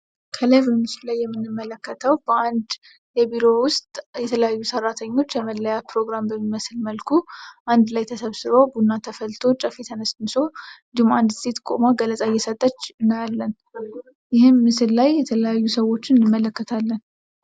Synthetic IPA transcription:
kʰələjvəmɨsɨllajːɛmːɨnːɨmːələkːət̪ʰəwb̥əand̪ | jɛbiɾo̞wʊst̪ʼjɛt̪ʰələjajːusərːat̪ʰəɲːo̞t͡ʃːjəməlːəjapɾo̞ɡɾambəmːiməsɨlməlkʰuʔand̪lajt̪ʰəsəβsɨɾo̞bunːat̪ʰəfəlt̪ʰo̞t͡ʃʼəfet̪ʰənəsmɨso̞nd̪ihumand̪st̪ʰe̞t̪kʼomaɡələt͡sʼajːɛsət̪ʼːət͡ʃːɨnːəjalːən | jɪhɨnmɨsɨlːajːɛt̪ʰələjajːusəwo̞t͡ʃːɪnɨnːɨmːələkːət̪ʰalːən

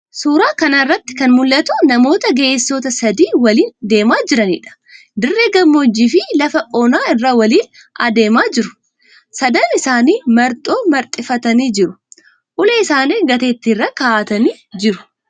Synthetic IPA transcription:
suːɾaːkɐnɐɪrːɐt̪ːɪ̥kɐnmʊlːɐt̪ʊnɐmo̞ːt̪ɐɡeʔesːoːt̪ɐsɐd̪iːwɐliːnd̪e̞ːmaːd͡ʒɪɾɐnḭːᶑɐ̥ | d̪ɪrːeːɡɐmːod͡ʒiːfɪlɐfɐʔɔnaːɪrːawɐliːn | ɐ̰d̪e̞ːmaːd͡ʒɪɾʊ̥ | sɐd̪ɐnɪsaːniːmɐɾt̪ʼo̞ːmɐɾt̪ʼɪfɐt̪ɐniːd͡ʒɪɾʊ | ʔʊlɛɪsaːneːɡɐt̪eːt̪ːirːɐkaːt̪ɐniː | d͡ʒɪɾʊ̥

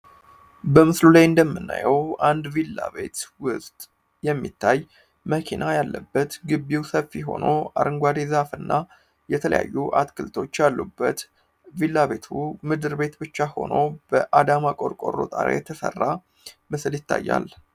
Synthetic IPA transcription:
bəmɨslulajɨnd̪əmːɨnːa̰jɛwʔand̪vilːaβe̞̰t̪wʊsʼt̪ʼ | jɛmːit̪ʰːaj | məkʰinʔajalːəbːət̪ɡɨbːiwsəfːiɦo̞̰no̞aɾɨŋɡʷad̪ezafɨnːa | jɛt̪ʰələ̰ja̰jːuʔat̪kʰɨlt̪ʰo̞t͡ʃːjalːubːət̪ | vilːaβe̞t̪ʰumɨd̪ɨɾbe̞t̪bɨt͡ʃːaho̞̰no̞b̥əʔad̪amakʼo̞ɾkʼo̞ɾo̰t̪ʼaɾḛjɛt̪ʰəsə̰rːa | mɨsljɪt̪ʰːajːa̰l

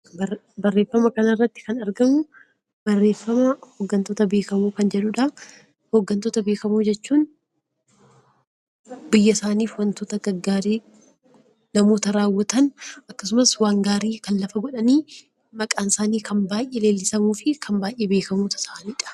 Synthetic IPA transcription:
bɐrːe̞ːfːɐmɐkɐnɐrːɐt̪ːɪ̥kɐnɐɾɡɐmʊ | bɐrːe̞ːfːɐmɐhoɡːɐnt̪oːt̪ɐbe̞ːkɐmuːkɐnd͡ʒɛᶑʊːᶑɐ | hoɡːɐnt̪oːt̪ɐbeːkɐmuːd͡ʒɛt͡ʃːuːn | bɪjːɐsaːniːfwɐnt̪oːt̪ɐɡɐɡːaːɾeː | nɐmo̞ːt̪ɐɾaːwːɐt̪ɐnɐkːɐsʊmɐswaːŋɡaːɾiːkɐnlɐfɐɡɔᶑɐniː | mɐkʼaːnsaːniːkɐnbaːjʔːele̞ːlːɪsɐmuːfɪkʰɐmbaːjʔːeːbe̞ːkɐmuːt̪ɐ̥saːʔniːᶑɐ̥

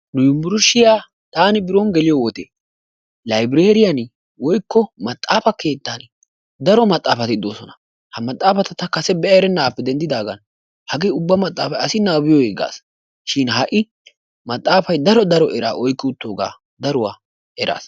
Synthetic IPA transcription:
nʊjʊmbʊɾʊʃːɪjaː | t̪aːnɪbɪɾɔnɡɛlɪjɔwɔt̪ḛː | lɐjbɪɾeːɾɪjɐn | wɔjkːɔmɐt̪ʼːaːfɐke̞ːt̪ːan | d̪ɐɾɔmɐt̪ʼːaːfɐt̪ɪɪd̪ːo̞̰ːsɔnɐ | hɐmɐt̪ʼːaːfɐt̪ɐt̪ɐkɐsɛbɛʔɐɾɛnːaːpːɛd̪ɛnd̪ɪd̪aːɡɐn | hɐɡeːʊbːɐmɐt̪ʼːaːfɐjɐsɪnːaːbɪjɔheːɡa̰ːs | ʃɪnɦɐʔɪ | mɐt̪ʼːaːfɐjd̪ɐɾɔd̪ɐɾɔʔɛɾa̰ːʔɔjkːɪʊt̪ːo̞ːɡa̰ː | d̪ɐɾʊwaː | ɛɾa̰ːs

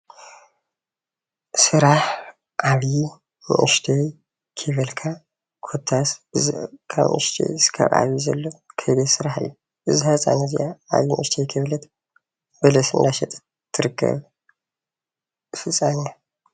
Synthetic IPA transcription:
sɨɾaħ | ʔaβji | mɨ̰ʔɨʃt̪ʰej | kʰɨβɨlkʰa | kʰot̪ʰːasbɨzkʰa̰βʔɨ̰ʃt̪ʰḛjskʰa̰βʔa̰βjizɐ̰lːokʰɐdesɨɾaħɨ̰jːu | ʔɨzihasʼa̰nɐzḭʔaa̰βjimɨʔɨʃt̪ʰejkʰɨβlɐt̪ | bɐlɐsɨ̰nd̪aʃɛt̪ʼɨ̥ | t̪ʰːɨɾɨkʰːɐ̰β | fɨt͡sʼːana

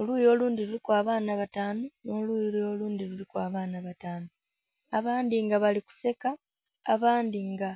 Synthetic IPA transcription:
oluːjo̞ːluːndilulikwaːβaːnaβataːnonoluːjololuːndilulikwaːβaːnaβataːno | aβaːndiŋɡaβaliku̥se̞ka̰ː | βaːndiŋɡa

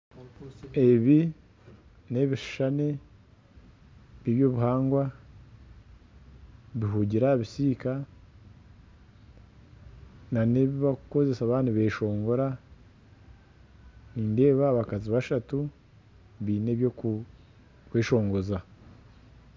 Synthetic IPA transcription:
e̞βi | ne̞βiʃʃane | βiβjo̞βuɦaːŋɡwa | βiɦuːɟiɾaβisiːka | naneβiβakuko̞zesaβaːnuβeʃo̞ːŋɡo̞ɾa | niːnde̞ːβaːβakaziβaʃatu | βiːneβjo | kweːʃo̞ːŋɡo̞za

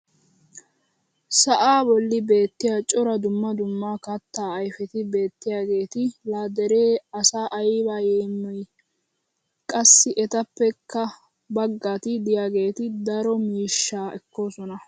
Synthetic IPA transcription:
sɐʔaːbɔlːɪbe̞ːt̪ːɪjaːt͡ʃʼɔɾɐd̪ʊmːɐd̪ʊmːaːkɐt̪ːaːɐjfɛt̪ɪbe̞ːt̪ːɪjaːɡe̞ːt̪ɪlaːd̪ɛɾe̞ːɐsaːʔɐjbaːjeːmːɔj | kʼɐsːɪʔɛt̪ɐpːɛkʰːɐ | bɐɡːaːt̪ɪd̪ɪjaːɡe̞ːt̪ɪd̪ɐɾɔmiːʃːaːʔɛkːo̞ːsɔnɐ

